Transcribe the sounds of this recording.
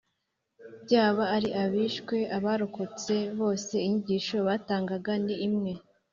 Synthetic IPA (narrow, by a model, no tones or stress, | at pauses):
bjaːβaːɾiʔaβiːʃkwe̞ʔaβaɾokot͡se̞βo̞ːse̞iɲiɟiːʃo̞βataːŋɡaɡandiːmŋe̞